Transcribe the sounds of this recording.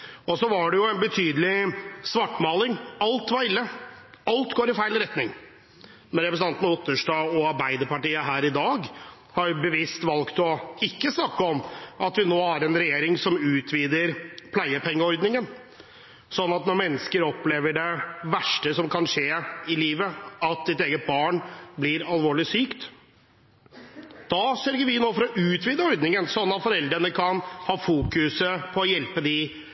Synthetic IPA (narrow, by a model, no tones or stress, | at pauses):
ɔsɔʋɑɖɛjʊɛnbət̪ʰyːd̪əlɪsʋɑʈːmɑːlɪŋɑlt̪ʋɑɾɪlːəɑlt̪ɡoːɾɪfæɪlɾɛt̪nɪŋ | mɛnɾɛpɾəs̬̩ɑnt̪nəʊt̪ːəʂʈɑːɔɑɾbæɪd̪əɾpɑʈiːəɦæːɾɪd̪ɑːɡ | hɑɾbəʋist̪ʋɑlkt̪ɔɪkːəsnɑkːəɔmɑt̪ʋɪnoːhɑɾɛnɾɛjeːɾɪŋsɔmʉːt̪ʰʋiːd̪əɾpʰlæɪəpʰɛŋːəɔɾd̪nɪŋən | sɔnːɑt̪nɔɾmɛnːəskəɾɔpleːʋəɖɛʋæʂʈəsɔmkʰɑnʂeːɪliːʋəɑt̪sɪt̪eːɡət̪̚bɑːɳblɪɾɑlʋoːɭɪsyːkt̪ | d̪̥ɑsœɾɡəɾʋɪnoːfɔɾɔʔʉːt̪ʋiːd̪əɔɾd̪nɪŋənsɔnːɑt̪fɔɾɛld̪ɾənəkʰɑnhɑːfuːkʉsəpʰɔːjɛlpəd̪ɪ